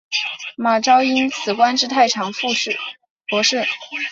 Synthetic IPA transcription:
ma˨˩ʈ͡ʂɑ˥ʊi˥nt͡sʰɹ̩˨˩kwa˥nʈ͡ʂɻ̩˥˧t̪ʰa˥˩ɪʈ͡ʂʰɑ˨˩ŋfu˥˧ʂɻ̩˥˩ | pwɔ˧˥ʂɻ̩˥˩

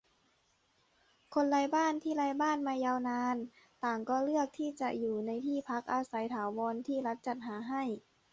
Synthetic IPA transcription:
kʰo˧nlaː˧jbaː˥˨nt̪ʰiː˥˩laː˧jbaː˥˩˨nmaː˧jaː˧wnaː˧n | t̪aː˨˩ŋkɔː˧˩lɯ˥˩ək̚t̪ʰiː˥˩t͡ɕa˧ʔjuː˨˩na˧jt̪ʰiː˥˩pʰa˦˥k̚ʔaː˧sa˩˦jt̪ʰaː˩˦wɔː˧nt̪ʰiː˥˩la˦˥t̪̚t͡ɕa˨˩t̪̚ɦaː˩˦ɦa˥˩j

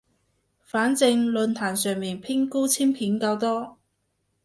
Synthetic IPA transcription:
faː˨˥nt͡sɪ˧ŋlɵ˨˧nt̪ʰaː˨˩nsœː˨ŋmiː˨npʰɪ˥ŋku˥t͡sʰiː˥mpʰiː˨˥nkaː˧wt̪ɔː˥

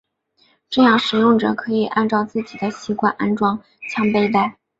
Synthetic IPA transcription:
ʈ͡ʂɤ˥˧jɑ˥˩ŋʂɻ̩˨˩jʊ˥˩ŋʈ͡ʂɤ̰˨˩kʰɤ˧˥i˨˩ʔa˥˧nʈ͡ʂɑ˥˧ʊt͡sɹ̩˥˩t͡ɕi˨˩d̪ə˦ɕi˧˥kwa̰˥˩nʔa˥nʈ͡ʂwɑ˥ŋ | t͡ɕʰjɑ˥ŋpe˥˧ɪt̪a˥˩ɪ

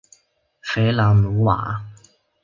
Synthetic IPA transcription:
fe˨˥jla˨˩mu˨˥wa̰ː˨˩

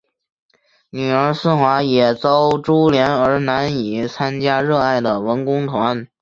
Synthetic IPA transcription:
ny˨˩ə˞˧˥sɹ̩˥˩xwa˧˥jɛ˨˩t͡sɑ˥ʊʈ͡ʂu˥ljɛ˧˥nə˞˧˥na˧˥ni˨˩˦t͡sʰa˥nt͡ɕja˥ɻɤ˥˧a˥˩ɪd̪ə˩wə˧˥nkʊ˥ŋt̪ʰwa˧˥n

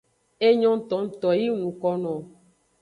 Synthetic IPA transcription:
e˦ɲɔ̃˦n̩˦t̪ɔ˨˦n̩˦t̪ɔ˨ji˦ŋũ˨kɔ˦nɔ̃˨

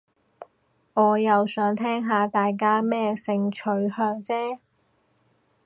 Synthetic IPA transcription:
ŋɔː˨˧jɐ˨wsœː˨˥ŋt̪ʰɛː˥ŋɦaː˨˧t̪aː˨jk̬aː˥mɛː˥sɪ˨˧ŋt͡ʃʰɵ˨˥ɥhœː˧ŋt͡sɛː˥

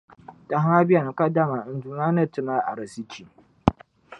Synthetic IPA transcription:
ta˨ha˦a˦bɪ˦ja˨ŋ˨ka˦da˦ma˨n˨du˨na˦nɐ˦tʊ˨ma˦ʔa̰˨ɾa˨si˦t͡ʃi˨

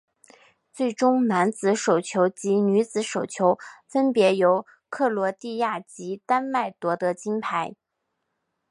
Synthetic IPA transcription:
t͡swe˥˩ɪʈ͡ʂʊ˥ŋna˧˥nt͡sɹ̩˧˥ʂo˨˩ʊt͡ɕʰjo˧˥ʊt͡ɕi˧˥ny˧˥t͡sɹ̩˧˥ʂo˨˩ʊt͡ɕʰjo˧˥ʊfə˥npjɛ˧˥jo˧˥ʊ | kʰɤ˥˩lwɔ˧˥t̪i˥˧ja˥˩t͡ɕi˧˥t̪a˥nma˥˩ɪt̪wɔ˧˥t̪ɤ˧˥t͡ɕi˥npʰa˧˥ɪ

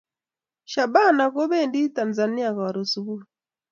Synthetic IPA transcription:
ʃa˨ɓa˦˨na˨kɔ˦βɛ˦ndi˦ta˨nza˨ni˦a˨ka˨ɾu˨su˨βu˦ɾ

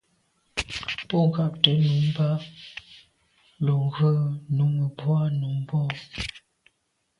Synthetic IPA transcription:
pɔ˦˨ŋɡa˦˨p̚tə˨˦nu˨˦m˦ba˦ | lɔ˨ɣə˦˨nu˨˦ŋə˨bwa˦nu˨˦m˦bɔ˦˨

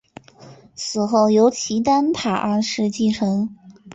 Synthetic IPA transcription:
t͡sʰɹ̩˨˩xo˥˩ʊjo˧˥ʊt͡ɕʰi˧˥t̪a˥npʰa˨˩ʔa˥˩˧ʂɻ̩˥˧t͡ɕi˥˩ʈ͡ʂʰɤ˧˥ŋ

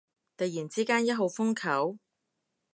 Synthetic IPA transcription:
t̪ɐ˨jiː˨˩nt͡siː˥kaː˥njɐ˥t̚ɦo˨˧wfʊ˥ŋkʰɐ˨˥w

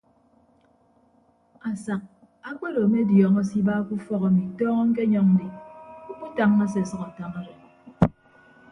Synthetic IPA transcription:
a˨sa˨k̚ | a˦k͡pe˦lo˨me˦djɔː˨ŋɔ˦si˦ba˦ku˦fɔ˦ka˨mi˨tɔː˦ŋɔ˦ŋ̩˦k̬e˦ɲɔ˨ŋn̩˦di˨u˦k͡pu˦ta˦ŋːa˦s̬e˨sʌ˦ka˨ta˦ŋa˦ɾe˨

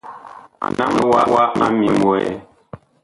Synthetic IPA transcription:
na˦m˦wa˦˨wa˦ma˦mi˨mwo˨ɛ˨

